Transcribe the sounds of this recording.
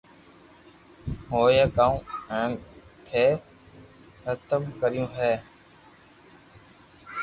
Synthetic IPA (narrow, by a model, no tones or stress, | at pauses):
ɦoːjəkaːũːɛːnt̪ʰeː | hət̪əmkəɾjũːɦɛː